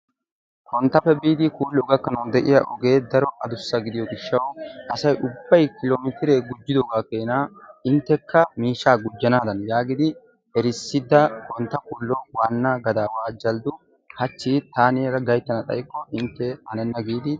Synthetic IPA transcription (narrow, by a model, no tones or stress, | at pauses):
kɔnt̪ːɐfɛbiːd̪ɪkuːlːɔɡɐkːɐnuːnd̪ɛʔɪjɐʔɔɡe̞ːd̪ɐɾɔʔɐd̪ʊsːɐɡɪd̪ɪjɔɡɪʃːɐwʔɐsɐjʔʊbːɐjkɪloːmɪt̪ɪɾeːɡʊd͡ʒːɪd̪ɔɡaːkeːnaːɪnt̪ːɛkːɐmiːʃaːɡʊd͡ʒːɐnaːd̪ɐnjaːɡɪd̪ɪ | ɛɾɪsːɪd̪ɐkɔnt̪ːɐkuːlːɔwaːnːaɡɐd̪aːwaːd͡ʒɐld̪ʊ | hɐt͡ʃːiːt̪aːneːɾɐɡɐjt̪ːɐnɐt̪ʼɐ̰jkːɔʔɪnt̪ːɛhɐnɛnːɐɡiːd̪ɪ